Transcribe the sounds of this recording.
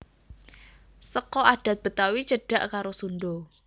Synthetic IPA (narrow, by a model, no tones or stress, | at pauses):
səkɔaɖ̥a̤t̪̚b̥ə̤t̪awit͡ʃəɖ̥a̤ʔkaɾosunɖo